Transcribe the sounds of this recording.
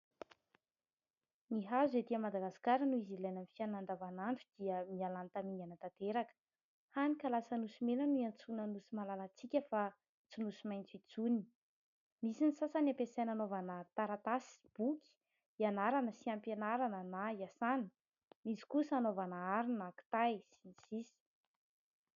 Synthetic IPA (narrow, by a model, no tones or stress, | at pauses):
niɦazed̪iəmad̪aɡasi̥kaɾənuizilajnənifianand̪avanaɳʈ͡ʂud̪̥iəmialant̪amiɲanət̪at̪eɾakə̥ | hanikalasənusimenənuant͡sunanusimalalat͡sikʲəfa | t͡sinusimajnt͡sit͡suni̥ | misinisasanapesananovanət̪aɾat̪asi̥b̥ukʲi̥ | ianaɾanəsiampenaɾanənajasan | mizi̥kusanovanəaɾinaku̥t̪ajsinisisi̥